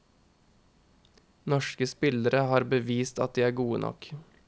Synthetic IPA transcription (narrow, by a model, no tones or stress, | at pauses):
nɔʃkəspɪləɾəhɑːɾbəʋiːst̪ɑ̰t̪̚d̪iːæːɾɡuːənʔɔ̰k